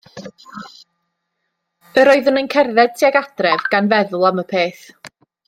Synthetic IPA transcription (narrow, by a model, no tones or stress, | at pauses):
əɾɔɨðənənkʰɛrðɛd̚tʰiaɡad̥rɛvɡ̥anvɛðʊlˠaməpʰeːθ